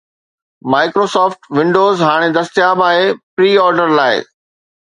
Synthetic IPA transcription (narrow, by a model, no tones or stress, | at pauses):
maːɪkɾoːsɔːfʈʋɪ̃ɳɖoːzɦaːɽ̃ed̪ɐst̪jaːbaːepɾiːɔːɾɖəɾlaːɪ̰